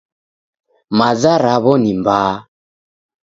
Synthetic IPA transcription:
mazaɾaβɔnimbaː

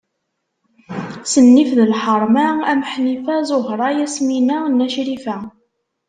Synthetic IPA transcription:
sənːifðəlħəɾˤmææməħnifæzoɦɾˤɑjæsminænːæʃɾifæ

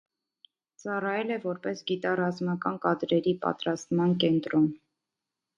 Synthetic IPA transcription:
t͡sɑrɑjɛlɛvɔɾpɛsɡit̪ɑrɑzmɑkɑnkɑd̪ɾɛɾipɑ̰t̪ɾɑst̪mɑnkɛnt̪ɾɔn

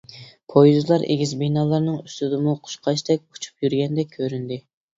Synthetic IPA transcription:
pʰojzlˠɑɾʔḛɡʲizbenɑːlˠɑɾnɨŋyst̪ɪd̪ɨmuqʰʊ̥ʃqʰɑʃt̪ɛk̚ʲu̥t͡ʃʰu̥pjyɾɡʲɛnd̪ɛkʲʰøɾynd̪ɪ

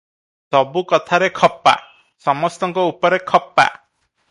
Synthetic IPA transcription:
sɔbukɔt̪ʰaɾekʰɔpːa̰ | sɔmɔst̪ɔŋkɔupɔɾekʰɔpːa̰

